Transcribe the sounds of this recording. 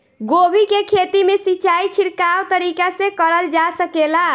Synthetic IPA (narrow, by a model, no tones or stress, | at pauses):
ɡobʱikekʰet̪imesit͡ʃait͡ʃʰiɾkawt̪əɾikasẽkəɾəld͡ʒasəkela